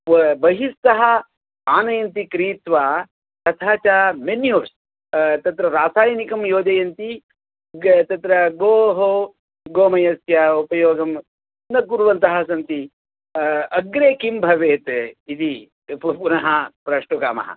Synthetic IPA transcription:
bɐɦist̪ɐɦɐ | aːnɐjɐnt̪ikɾiːt̪ʋaː | t̪ɐt̪ʰaːt͡ʃamenjoːɾs | t̪ɐt̪ɾɐɾaːsaːjɐnikɐmjoːd͡ʒ̪ɐjɐnt̪i | t̪ɐt̪ɾɐɡoːɦo | ɡoːmɐjɐsjɐupɐjoːɡɐm | nɐkuɾʋɐnt̪ɐɦɐsɐnt̪i | ɐɡɾeːkimbʱɐʋeːt̪it̪i | ppunɐɦɐpɾɐʂʈuɡa̰ːmɐ̰ɦɐ̰

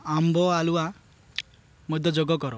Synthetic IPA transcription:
ambʱɔalua | mɔd̪ʱɔd͡ʒoɡɔkɔɾɔ

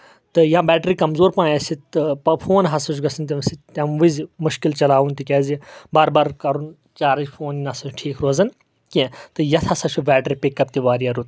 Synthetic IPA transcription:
t̪ɨjãːbɛːʈɾiːkɐmzoːɾpãːjɐsiɨpɐpʰoːnɦɐsuʃ̬ɡɐsɐnt̪̬ʲimsit̪t̪ɐmʋɨzmʊʃkilt͡ʃɐlaːʋunt̪ikɛːzibaːɾbaːɾkɐɾun | t͡ʃaːɾɐd͡ʒpʰoːninɐsɐt͡ʃʈʰiːkʰɾoːzɐn | kẽt̪ɨjɐt̪ʰɐsɐt͡ʃʰubɛːʈɾipikːɐp̚t̪iʋaːɾiaɾut̪

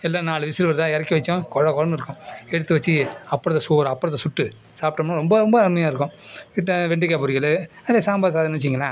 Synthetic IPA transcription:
ɛlːaːnaːlɯʋɪsɪlʋɐɾt̪ãːɛɾɐkːiʋɐt͡ʃːʊ̃kɔɻɐkɔɻɐmɪɾɯkːʊ̃ɛɽɯt̪ːɯʋɐt͡ʃːiɐpːɐɾɐt̪ːɐsoːɾɐpːɐɽɐt̪ːɐsʊʈːɯ | saːp̚ʈːɐmɐnːɐ̃ɾɔmbɐɾɔmbɐɐɾmɐjaːɪɾɯkːʊ̃ | ɪʈːɐʋɛɳɖɪkːaːpʊɾɪɣɐɭɯ | ɐlesaːmbaːðs̬aːðɐnnt͡ʃːɪiŋɡɐlã̰ː

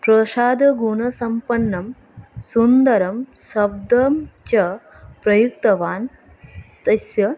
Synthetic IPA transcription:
pɾɐʃaːd̪ɐɡuɳɐsɐmpɐɳːɐm | sund̪ɐɾɐmsɐb̚d̪ɐmt͡ʃɐ | pɾɐjuk̚t̪ɐʋaːn | t̪ɐsjɐ

